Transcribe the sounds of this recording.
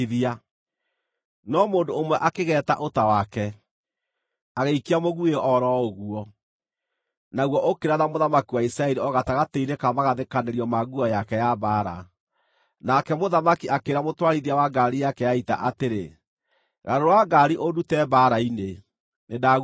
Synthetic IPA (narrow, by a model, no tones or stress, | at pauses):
ðia | nɔmoːndoːmwɛʔakeɣɛːta̰ʔotawakɛ | aɣeikiamoɣueɔɾɔoɣuɔ | naɣwɔʔokeɾaðamoðamakiwaisɾaɛɾiɔɣataɣateinekamaɣaðekaneɾiɔmaɡuɔjakɛjabaːɾa̰ | nakɛmoðamakiʔakeɾamotwaɾiðiawaɡaɾijakɛjaita̰ʔateɾe | ɣaɾoɾwaɡaɾiʔodutɛbaɾaine | nedaɣ